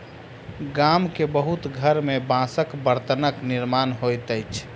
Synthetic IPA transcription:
ɡamkebəɦut̪ɡʱəɾmebãsəkbəɾt̪ənəkniɾmanɦojt̪əjt͡ʃʰ

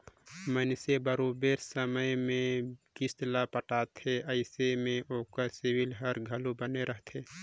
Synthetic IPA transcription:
mənsebəɾobeɾsəməjmẽkɪst̪lapəʈaːt̪ʰeəɪsemẽʔoːkəsɪwɪlɦəɾɡʱəlubəneɾəɦt̪ʰe

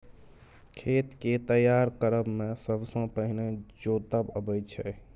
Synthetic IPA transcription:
kʰet̪ket̪əjaɾkəɾəbmesəbsə̃pəɦined͡ʒot̪əbəbəjt͡ʃʰɛ

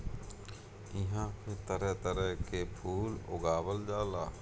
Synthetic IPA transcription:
ɪɦãːpʰɪɾt̪əɾɛt̪əɾɛɦkepʰuːlʊ̰ɡaːwəld͡ʒaːlaː

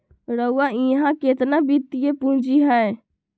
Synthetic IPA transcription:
ɾəuwaĩɦãket̪nabit̪ːijepũd͡ʒiɦəe

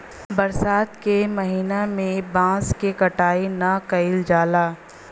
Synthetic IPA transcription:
bɐɾsaːt̪kemɐɦiːnamẽbãːskekɐʈaːenɐkɐɪld͡ʒaːlaː

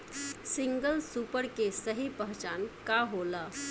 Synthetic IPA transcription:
siŋɡəlsuːpəɾkesəɦipəɦt͡ʃankaɦola

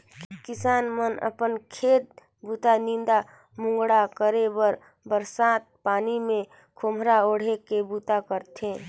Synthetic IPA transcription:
kɪsaːnmənə̰pənkʰeːt̪̚ | buːt̪anĩnd̪a | mʊ̃ŋɡɽakəɾebəɾ | bəɾsaːt̪̚paːnimẽ | kʰomʱɾaoːɽ̤ekebut̪akəɾt̪ʰẽː

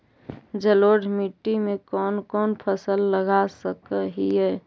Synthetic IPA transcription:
d͡ʒəloːɖʱmɪʈːimẽkɔːnkɔːnpʰəsəlːəɡasəkɦiɦɛː

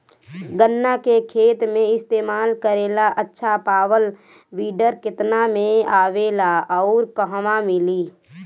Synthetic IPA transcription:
ɡənːakekʰeːt̪mẽɪst̪eːmaːlkəɾeːlaʔətːʃʰapaːwəl | wiːɖəɾkɪt̪namẽaːʋeːlaɔʊɾkəɦmamɪliː

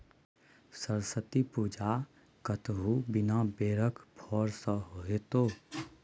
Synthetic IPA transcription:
səɾsət̪ipuːd͡ʒa | kət̪ɦubɪnabeːɾəkbʰʱɔːɾsə̃ɦoet̪oː

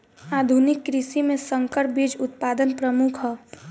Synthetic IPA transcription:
aːd̪ʱunɪkːɾɪsimẽsə̃ŋkəɾp̚bid͡ʒʊt̪paːd̪ənpɾəmʊkʰɦɔ

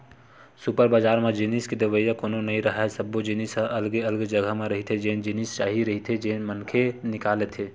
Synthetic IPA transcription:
supəɾbaːd͡ʒaːɾmẽd͡ʒɪniskid̪əʋəijakoːnonɐɦĩɾɐɦaɦɛsəbːod͡ʒinisʔɐlɡeɐlɡd͡ʒəɡəɦmẽɾɐɦit̪ʰed͡ʒeːnd͡ʒɪnist͡ʃaːɦiɾɐɦit̪ʰed͡ʒeːnmənkʰenɪkaːlet̪ʰeː

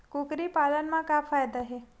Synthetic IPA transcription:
kukɾipalənmãkafajd̪aɦe

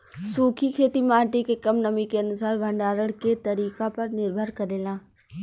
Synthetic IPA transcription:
suːkʰikʰeːt̪imaːʈikekɐmnɐmikeɐnʊsaːɾbʱɐ̃ɳɖaːɾəɽ̃ket̪ɐɾiːkapɐɾnɪɾbʱəɾkɐɾeːlãː

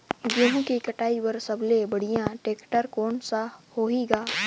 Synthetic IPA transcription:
jeɦõkikəʈaːiwəɾsəblebəɽ̤ijãʈeːkʈəɾkoːnsahoːiɡaː

